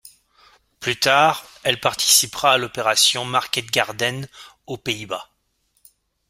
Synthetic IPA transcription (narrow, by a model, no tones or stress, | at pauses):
plyt̪aːʁɛlpaʁt̪ʰi̥sipχaːlɔpeʁasjɔ̃maʁkʲɛt̪̚ɡʲaʁd̪ɛn | opeiba